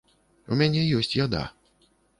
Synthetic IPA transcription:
ṵmʲanʲɛjɔsʲt͡sʲjad̪a̰

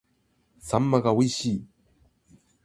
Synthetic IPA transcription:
samːaɡauiɕiː

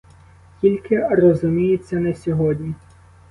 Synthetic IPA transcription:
kʲilʲkɪrɔzʊmʲijet͡sʲːɐnɛsʲɔɦɔdʲnʲi

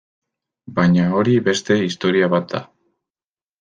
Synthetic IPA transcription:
bajɲao̞ɾiβe̞st̪e̞ist̪o̞ɾiaβat̪̚d̪a̰

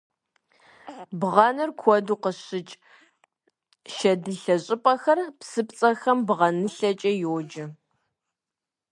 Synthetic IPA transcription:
bʁɑnɐrkʷʰɔduːqəɕɪt͡ʃʼ | ʃɐdɨɬɐɕʼɪpʼɐxɐrpsɨpt͡sʼɐxɐmbʁɐnɨɬɐt͡ʃʼɐjoːd͡ʒɐ

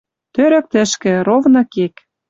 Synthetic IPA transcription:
t̪øɾɘ̆k̚t̪ɘ̆ʃkɘ̆ɾovnɤ̆kek

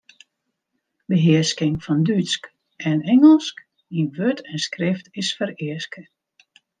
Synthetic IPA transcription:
bəɦɪəskɪŋfɔndysk | ɛnɛŋəlˠsk | inʋøtʰɛnskrɪftɪsfəɾɪəskə

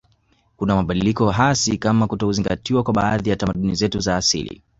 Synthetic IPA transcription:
kunamaɓaɗilikɔɦasikamakutahuziŋɡatiwakwaɓaaðijatamaɗunizɛtuzaːsḭlḭ

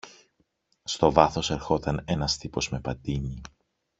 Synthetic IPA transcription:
st̪o̞vɐθo̞se̞ɾxo̞t̪ɐne̞nɐst̪ipo̞zme̞pɐt̪iɲi

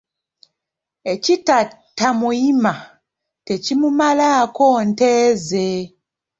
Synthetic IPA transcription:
ecita | tamuima | tecimumalakonteːze

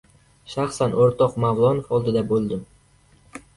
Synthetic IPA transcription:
ʃaχsanʔoɾt̪ʰɒqmavlˠɒnofɒlˠd̪ɪd̪abolˠd̪ɪm

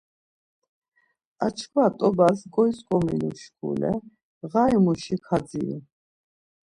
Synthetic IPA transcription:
at͡ʃʰkʰwat̪ʼɔbasɡʼɔjskʼɔminuʃkʰṵlɛ̰ | ʁaimuʃikʰad̪d͡zḭɾḭ

